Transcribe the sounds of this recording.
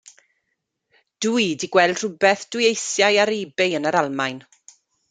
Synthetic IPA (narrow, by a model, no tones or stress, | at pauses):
d̥uidiɡwɛlˠd̥r̥ʊbɛθd̥ʊjejθjajaɾiːbɪjənəɾalˠmajn